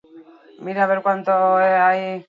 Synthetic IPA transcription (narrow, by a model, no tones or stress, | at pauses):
miɾaβeɾkant̪oeaj